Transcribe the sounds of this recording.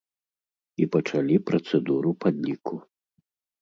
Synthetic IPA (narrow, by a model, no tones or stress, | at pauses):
ipɐt͡ʂalʲipɾɐt̪sɛd̪uɾupad̪ʲlʲikʰu